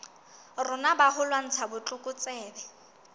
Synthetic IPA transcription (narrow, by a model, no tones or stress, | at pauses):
rʊnabahʊlwan̩t͡sʰabʊt͡ɬʼʊkʼʊt͡sʼɛːbɛ